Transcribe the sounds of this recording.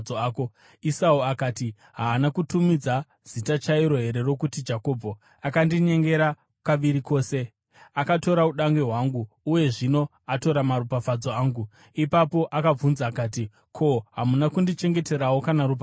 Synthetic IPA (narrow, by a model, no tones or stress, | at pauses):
oaːko | isauakaːti | ɦaːnakutumid͡za | z̥itat͡ʃaiɾo̞ɦe̞ɾe̞ro̞kutid͡ʒako̞bʱo | akandiɲe̞ŋɡe̞ɾa | paʋiɾiko̞ːse̞ | akato̞ɾauɗaŋɡe̞ɦwaŋɡuːje̞ʐino̞ | ato̞ɾamaɾupafad͡zoaːŋɡu | ipapo̞ʔakab͡vunzaːkaːti | kʰo̞ɦamunakundit͡ʃe̞ŋɡe̞te̞ɾawokanaɾupa